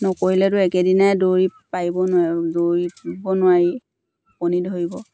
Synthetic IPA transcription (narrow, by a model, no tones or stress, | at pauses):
nɔkoɹilɛtʊɛkɛdinajdoɹipaibɔnʊwadoɹipbɔnʊwaɹi | pɔnidʱoɹibɔ